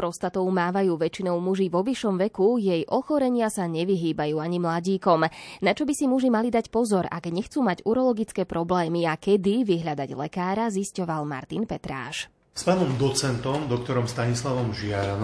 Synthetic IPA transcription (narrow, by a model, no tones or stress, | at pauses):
ɾɔst̪at̪ɔʊmaːʋajuːʋɛt͡ʃinɔʊmuʒiʋɔʋiʃɔmʋɛkujɛjʔɔxɔɾɛɲɪasaɲɛʋiɦiːbajuːaɲimlaɟiːkɔmnat͡ʃɔbisimuʒimalid̪acpɔzɔɾa̰ɡɲɛxt͡suːmaɟuɾɔlɔɡit͡skɛːpɾɔblɛːmiakɛd̪iʋiɦʎad̪aɟlɛkaːɾaziscɔʋalma̰ɾt̪inpɛt̪ɾa̰ːʃ | spaːnɔmd̪ɔt͡sɛnt̪ɔmd̪ɔk̚t̪ɔɾɔmst̪aɲislaʋɔmʒɪaɾan